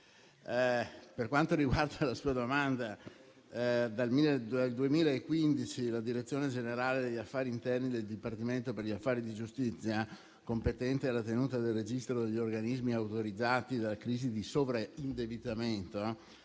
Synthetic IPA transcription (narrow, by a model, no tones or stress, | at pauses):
perkwant̪oɾiɡward̪alasuːad̪omand̪a | d̪almilːeald̪uemiːlaekːwind̪it͡ʃilad̪iɾet̪sːjoːned͡ʒeneɾaːled̪eʎːafːaːɾiːnt̪ɛrnid̪eld̪ipart̪iment̪operʎiafːaːɾid̪id͡ʒust̪it̪sːja | kompet̪ɛnt̪ealat̪enuːt̪ad̪elːed͡ʒist̪ɾod̪eʎːiorɡanizmiawt̪oɾid̪zːaːt̪id̪alakɾiːzid̪isovɾaind̪ebit̪ament̪o